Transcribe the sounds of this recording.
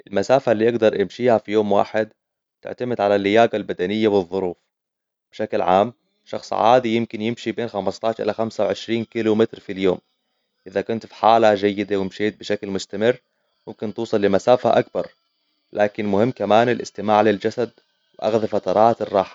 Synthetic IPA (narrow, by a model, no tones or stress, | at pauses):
ʔɪlmasaːfalːiːʔɑɡd̪ɑɾˤʔɪmʃiːhafijoːmwa̰ːħɪd̪ | t̪ɪ̰ʕt̪amɪd̪ʕalalːɪjaːɡalbad̪anɪjːawɨðˤːʊɾuːf | b̥ɪʃaklʕa̰ːm | ʃɑxsˤʕa̰ːd̪ijɪmkɪnjɪmʃibeːnxamɑst̪ˤɑːɪʃʔɪ̰laxamsawʕɪʃɾiːnkilumɪt̪ɾfiljoːm | ʔɪðakʊnt̪fi̥ħaːlad͡ʒajːɪd̪awɪmʃeːt̪̚bɪʃaklmʊst̪amɪrː | mʊmkɪnt̪uːsˤɑlːɪmasaːfaʔak̚bɑɾˤ | laːkɪnmʊhɪmːkamaːnɪlʔɪ̰st̪ɪmaːʕlɪld͡ʒasad̪ | wɪʔɑ̰ɣðɑfat̪ɑɾˤɑːt̪ɪrˤːɑːħḁ